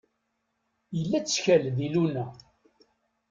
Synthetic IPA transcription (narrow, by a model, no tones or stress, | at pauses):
jəlːæt͡sːçælðilunæ